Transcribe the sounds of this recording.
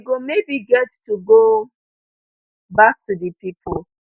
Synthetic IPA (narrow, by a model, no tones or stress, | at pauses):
ɡomebiɡɛttuɡo | bak̚tudipipʰʊl